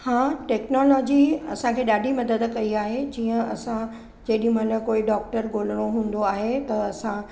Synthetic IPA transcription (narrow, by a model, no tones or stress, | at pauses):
hãːʈɛːknolɔːd͡ʑiɐ̰sãkʰeːɗaːɖʱimɐd̪əd̪kɐiaːɦed͡ʑiːə̃ɐsã | d͡ʑɐɗĩmɐnɐkoːiɖɔːk̚ʈəɾɡoːləɽ̃oɦũːn̆d̪oaːɦet̪ɐɐsã